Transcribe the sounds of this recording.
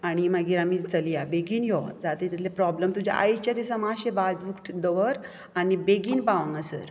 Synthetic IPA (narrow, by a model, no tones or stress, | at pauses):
aɽ̃imaɡiːɾamit͡səlijabeɡiːnjɔd͡zat̪et̪it̪ʰlepɾɔbləmt̪ud͡ʑʱa̰ʔa̰jt͡ɕjat̪isamaɕebad͡zʋukʈd̪əʋəɾ | anibeɡiːnpaʋə̃ŋɡəsə̰ɾ